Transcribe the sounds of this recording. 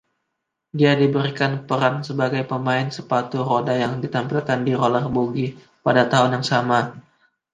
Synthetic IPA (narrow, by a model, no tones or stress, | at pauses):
diadibəɾikanpəɾansəbaɡajpəmaɪnsəpat̪uɾodajaŋdit̪ampilkandiɾolərbuɡi | padat̪aɦʊnjaŋsama